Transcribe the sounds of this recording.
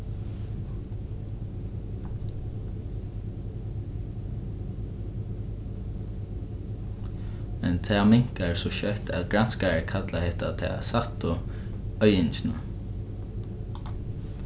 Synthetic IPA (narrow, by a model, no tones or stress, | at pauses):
mɛnt̪ʰɛːmɪŋ̥kaɹsɔʃœht̪ɛ̰ðɡɾanskaɛɹkʰat̪lahɛht̪a̰t̪ʰɛ̰ːsat̪ʊ | œʏɪnt͡ʃɪna̰